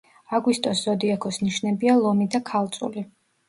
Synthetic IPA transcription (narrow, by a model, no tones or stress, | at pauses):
aɡwist̪ʼɔszɔd̪iakʰɔsniʃnɛbialˠɔmid̪akʰalˠt̪sʼṵli